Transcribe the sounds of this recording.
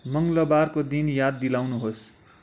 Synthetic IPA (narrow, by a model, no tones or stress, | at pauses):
mʌŋlʌbarkod̪injad̪ːilawnuɦos